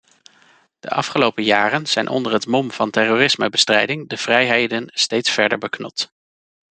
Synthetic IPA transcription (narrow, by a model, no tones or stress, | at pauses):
d̥ə̰ʔɑfχəlowpəjaːrənz̥ɛjnʔɔ̰ndəɹɦətmɔmv̥ɑntɛroːrɪsməbəstrɛjdɪŋdəv̥rɛjɦejdənstejtsfɛɹdə̰ɹbəknɔt